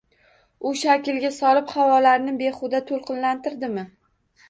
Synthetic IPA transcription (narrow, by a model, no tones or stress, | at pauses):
ʊʃakʲɪlɡʲasɒlɪpχavɒlaɾnɪbe̞χʊd̪at̪ʰolˠqɨnlant̪ɪɾd̪ɪmɪ